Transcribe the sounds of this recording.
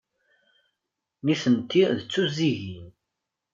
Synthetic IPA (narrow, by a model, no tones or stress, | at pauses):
niθənt̪ːiðət͡sːuziʝin